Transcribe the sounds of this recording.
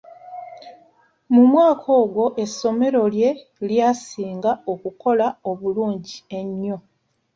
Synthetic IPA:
mumwaːkʰo̞ːɡwo̞ʔe̞sːo̞me̞ɾo̞lje̞ | ljaːsiːŋɡao̞kuko̞lao̞βuluːɲɟie̞ɲːo̞

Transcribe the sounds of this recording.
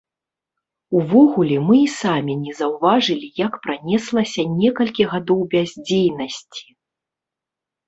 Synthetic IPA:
uvɔɣulʲɛmɨisamʲinʲɛzɐwvaʐɨlʲijakpɾanʲɛslˠɐsʲɐnʲɛkɐlʲkʲiɣad̪ɔwbʲazʲd͡zʲejnɐsʲt͡sʲi̥

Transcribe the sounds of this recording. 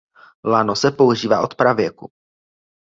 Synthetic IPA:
lanosɛpo̞uʒiːvaːʔo̞t̪pɾavjɛku

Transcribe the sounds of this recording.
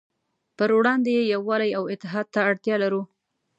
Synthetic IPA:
pəɾwɽɑnd̪ejejawːɑlajawɪt̪ːɪɦɑd̪̚t̪aːɽt̪jɑlaɾu

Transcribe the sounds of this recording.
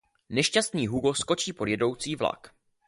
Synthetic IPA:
nɛʃcast̪niːɦuɡosko̞t͡ʃiːpo̞djɛdo̞wt͡siːvla̰k

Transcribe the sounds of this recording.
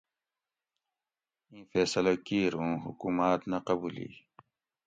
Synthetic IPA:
ĩːfeːsɐlɐkiːɾũːɦṵkuːmaːt̪nɐqɐbuːlḭː

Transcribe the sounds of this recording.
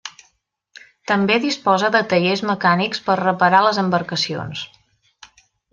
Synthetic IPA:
t̪əmbeðispɔzəðət̪əʎezməkanikspərrəpəɾaləzəmbəɾkəsio̰ns

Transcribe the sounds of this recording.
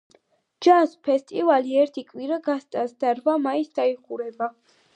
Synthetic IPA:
d͡ʒaspʰɛst̪ʼivaliɛɾt̪ʰikʼwiɾaɡast̪ʼasd̪aɾvamaisd̪aiqʼuɾɛba

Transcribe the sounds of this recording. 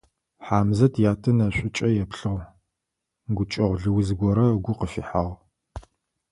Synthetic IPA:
ħaːmzɐtʰjaːtʰɐnɐɕʷʼɪt͡ʃʼɐjɛpɬɨʁ | ɡʷʊt͡ʃʼɐʁʷɮɨwzɡʷɔɾɐɡʷʊqəfḭħaːʁ

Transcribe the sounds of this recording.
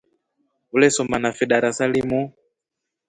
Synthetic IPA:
ulɛsɔmanafɛɗaɾasalimu

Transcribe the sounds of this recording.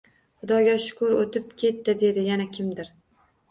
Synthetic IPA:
χʊd̪ɒɡʲaʃʊ̥kʰʊɾot̪ʰɪp̚kʲʰe̞t̪ːɪd̪e̞d̪ɪjanakʲʰɪmd̪ɪɾ

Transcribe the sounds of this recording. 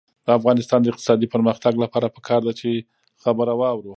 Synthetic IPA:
d̪əafɣɑnɪst̪ɑnd̪əɪqt̪ɪ̥sɑd̪ipəɾməxt̪aɡlapɑɾapə̥kʰɑɾd̪at͡ʃe | xabəɾawɑwɾu

